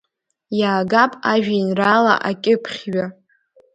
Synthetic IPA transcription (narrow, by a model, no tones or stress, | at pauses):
jaːɡapʼaʒᶣainrala̰ʔakʲʼɪpʰχʲɥa